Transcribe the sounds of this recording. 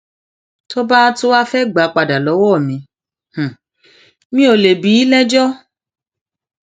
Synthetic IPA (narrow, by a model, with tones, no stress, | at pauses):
to˦ba˦tu˦wa˦fɛ˦ɡ͡ba˨˦k͡pa˧da˨lɔ˨˦wɔ˦˨mĩ˨˧ | h̩˨ | mĩ˦o˨le˨bi˨˦lɛ˦d͡ʒɔ˦